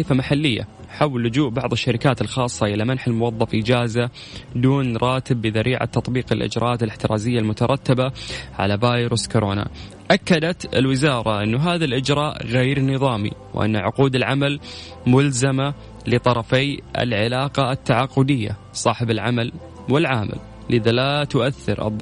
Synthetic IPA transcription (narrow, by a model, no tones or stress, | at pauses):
ifamaħalːɪjːa̰ | ħawlːʊd͡ʒuːʔbɑʕðˤɨʃːaɾɪkaːt̪ɪlxɑːsˤːɑʔɪlamanħɪlmʊwɑðˤːɑfʔɪd͡ʒaːza | d̪uːnɾˤɑːt̪ɪbːɪðaɾʔiːʕa̰t̪ːɑt̪ˤbiːqɪlʔɪ̰d͡ʒɾʔɑʔaːt̪ɪlɪħt̪ɪɾˤʔɑːzɪjːalmʊt̪ɑɾˤɑt̪ːɪbaʕa̰lavaːjɾuskoɾʔoːna̰ | ʔakːad̪at̪ɪ̰lwɪzɑːɾˤɑʔɪnːuɦaːðalʔɪd͡ʒɾˤɑːʔɣeːɾnɨðˤɑːmḭwʔa̰nːʕʊquːd̪ɪlʕamal | mʊlzama | lɪt̪ˤɑɾˤɑfeːʔɪ̰lʕɪlaːqɑɪt̪ːaʕaqːʊd̪ɪjːa̰ | sˤɑːħɪbɪlʕamal | wɪlʕaːmɪ̰l | ʔɪðalat̪ʊʔaθːɪ̰ɾʔɨ̰ðˤ